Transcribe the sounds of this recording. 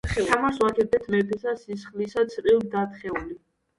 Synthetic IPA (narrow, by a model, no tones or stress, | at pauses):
amaɾswakʰɛbɛt̪ʰmɛpʰɛsasisχlisat̪sʰɾilˠd̪at̪χɛuli